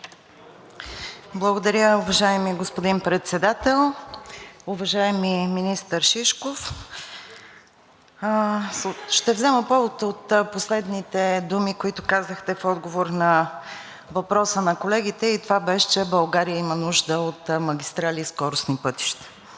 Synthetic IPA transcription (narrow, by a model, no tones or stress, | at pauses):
blˠəɡod̪ɐɾʲjəʊvɐʒaɛmiɡospod̪inpɾɛt̪sɛd̪at̪ɛlˠ | ʊvɐʒaɛmiminist̪əɾʃiʃkof | ʃt̪ɛvzɛməpɔvot̪əot̪poslɛd̪nit̪ɛd̪umikoit̪ʊkazəxt̪ɛfɔd̪ɡovoɾnɐ | vɐpɾɔsənɐkolɛɡ̟it̪ɛit̪ovabɛʃɛ̥t͡ʃɛbɐlˠɡaɾijəimənuʒd̪əot̪mɐɡʲist̪ɾaliskɔɾʊsnipɤt̪i̥ʃt̪ə̥